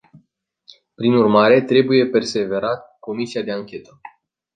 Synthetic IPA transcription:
pɾinurmaɾe̞t̪ɾe̞buje̞pe̞rse̞ve̞ɾat̪̚ko̞misiad̪e̞aŋkʲe̞t̪ə

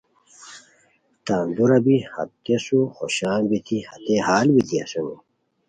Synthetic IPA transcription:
t̪aːnd̪uɾɐbihɐ̰t̪ːesuxoɕaːnbit̪ʰihɐt̪ehaːlbit̪ʰiɐ̰sunḭ

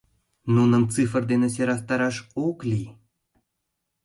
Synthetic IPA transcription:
nunɤ̆nt͡sɨfərd̪enĕs̬eɾɑkt̪ɑɾɑʃoklʲi

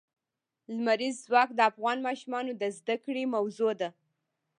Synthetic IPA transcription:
lmaɾizːwɑkd̪əafɣɑnmɑʃumɑnod̪əzd̪akɽemawzod̪a

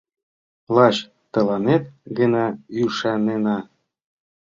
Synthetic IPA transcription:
lɑɕ | t̪ɤ̆lɑnet̪̚ɡə̆nɑyʃɑnenɑ

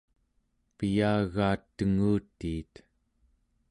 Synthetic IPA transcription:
pijaːɣaːt̪ːəŋuːt̪ːiːt̪

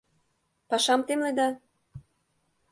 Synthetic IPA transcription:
pɑʃɑmt̪emlejd̪ɑ

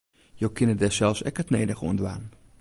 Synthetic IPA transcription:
jowkʰɪnədɛsɛlˠfsɛkətneːdəχṵndʋa̰ːn

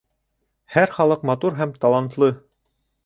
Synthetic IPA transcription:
hæɾχɑlˠɤqmɑt̪uɾɦæmt̪ɑlˠɑnt̪lˠɤ

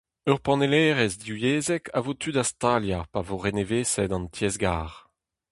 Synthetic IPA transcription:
œʁpɑ̃nelɛːʁɛzd̪iwjeːzɛkʰa̰vot̪ʰydast̪aljapavoʁeneveːsɛdɑ̃ntjɛzɡaːʁ

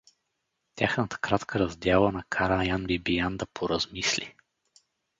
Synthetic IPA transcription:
t̪ʲja̰xnət̪ə̥kɾat̪kʰəɾɐzd̪ʲjalˠənɐkʰaɾajanbibijand̪ɐpʰoɾɐzmislʲḭ

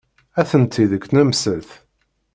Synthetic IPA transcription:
æθənt̪ʰːiðəkːnəmsəlθ

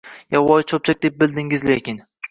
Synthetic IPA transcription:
jawɒjt͡ʃʰop̚t͡ʃʰak̚ʲd̪e̞p̚bɪld̪ɪŋɪzlekʲɪn

